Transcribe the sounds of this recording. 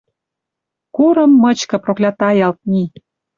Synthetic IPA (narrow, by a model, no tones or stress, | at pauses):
kuɾə̆mːɤ̆t͡ɕkɤ̆proklʲɑt̪ɑjɑlt̪̚ni